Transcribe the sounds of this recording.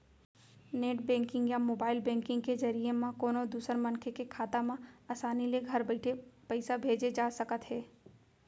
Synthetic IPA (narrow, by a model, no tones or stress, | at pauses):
neːʈbɛ̃ːŋkɪ̃ŋɡjamoːbaːɪlbɛ̃ːŋkɪ̃ŋɡ̚kezɐɾijemãkoːnod̪uːsəɾmɐ̃nkʰekekʰaːt̪amãaːsaːnileɡʱɐɾbɐɪʈʰepɐɪsabʱeːd͡ʒed͡ʒaːsɐkət̪ɦɛː